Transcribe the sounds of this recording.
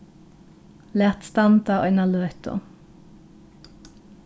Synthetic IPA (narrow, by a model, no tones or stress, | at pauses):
leːʁt̪st̪ɑnt̪ɑo̰ːɪnɑlœʏt̪o̰